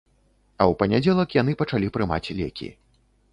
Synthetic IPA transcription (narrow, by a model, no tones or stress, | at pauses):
ɐwpɐnʲad͡zʲɛlˠɐkjan̪ɨpɐt͡ʂalʲipɾɨma̰t͡sʲlʲɛ̰kʲḭ